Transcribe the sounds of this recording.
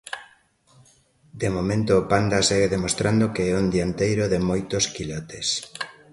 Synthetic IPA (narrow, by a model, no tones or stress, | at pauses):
d̪emomẽnt̪oːpand̪asɛɣeðemost̪ɾand̪okeɛund̪iant̪ejɾoðemojt̪oskilɔt̪es